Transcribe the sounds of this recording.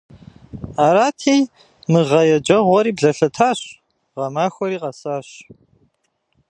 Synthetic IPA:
aːɾaːtʰiːj | mɨʁɐjɛd͡ʒʼɐʁʷɔɾiːbɮɐɬɐtʰaːɕ | ʁɐmaːxʷɔɾiːʁɐsaːɕ

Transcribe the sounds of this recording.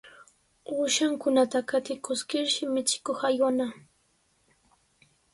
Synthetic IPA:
ʊʃaŋkʊnat̪akat̪ɪkʊskɪɾʃɪmɪt͡ʃɪ̥koχajwana

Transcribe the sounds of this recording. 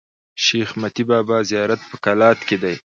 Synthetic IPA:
ʃeːxmat̪ibɑːbɑzijɑɾat̪̚pəkalɑːt̪ked̪aj

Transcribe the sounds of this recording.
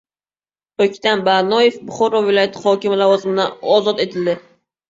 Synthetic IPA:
ɵkʲt̪anbanɒjefbʊχɒɾɒvɪlɒjat̪ʰɪχɒkʲɪmɪlavɒzɪmɪd̪aɒzɒt̪et̪ʰɪld̪ɪ

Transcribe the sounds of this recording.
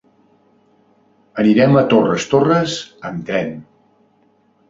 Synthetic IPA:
əniɾɛmət̪orəst̪orəzənt̪ɾɛn

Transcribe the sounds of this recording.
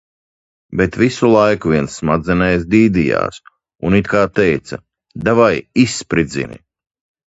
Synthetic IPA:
bet̪visulˠajkuvʲiɛnsːmad̪zɛnɛjsd̪iːd̪ija̰ːs | unit̪kaːt̪ɛjt̪sɐ̰ | d̪avajisːpɾid̪zḭnḭ

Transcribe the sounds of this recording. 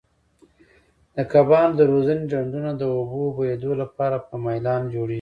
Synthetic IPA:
d̪̥əkabɑld̪əɾozaned͡ʒaɳɖunad̪əobobajed̪olapɑɾapəmajlɑnd͡ʒoɽeʒi

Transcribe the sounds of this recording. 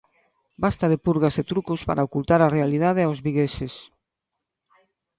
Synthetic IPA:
bast̪aðepuɾɣaset̪ɾukospa̰ɾaokult̪aɾarealið̞að̞eawzβiɣeses

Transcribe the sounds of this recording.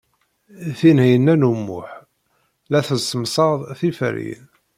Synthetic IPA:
θinhijənːænumːʊ̰ħ | læθəsəmsˤɑðˤθifɾḭn

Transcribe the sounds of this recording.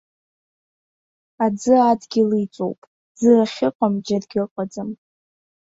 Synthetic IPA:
ad͡zɨadɡʲɪlit͡sʼo̰wpʼ | z̥ɨraχʲɪqʷʼamd͡ʒadɡʲɪqʷʼad͡zɨm

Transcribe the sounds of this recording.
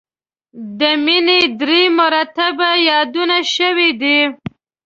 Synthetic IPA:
d̪əmined̪ɾemʊɾɑt̪abajɑd̪unaʃəwid̪i

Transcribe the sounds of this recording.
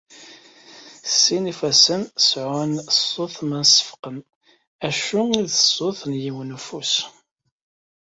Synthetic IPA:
sːinifæsənsʕʊnsoθmənsə̥fqən | æʃuiðəsːʊθnjiwnfus

